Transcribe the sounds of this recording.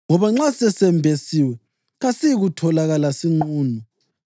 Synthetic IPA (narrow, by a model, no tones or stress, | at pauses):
ŋɔβaŋ͡ǁasɛsɛmbʱesiwɛ | ɣasiiɣutʰɔlaɣalasiŋ͡ǃuːnu